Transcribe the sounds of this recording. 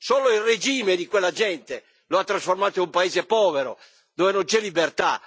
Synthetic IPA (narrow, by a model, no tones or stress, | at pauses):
soːloilred͡ʒiːmed̪ikwelːad͡ʒɛnt̪e | loat̪ːɾasformaːt̪oinumpaeːzepɔːveɾo̰ | d̪oːvenõnt͡ʃɛlːibert̪a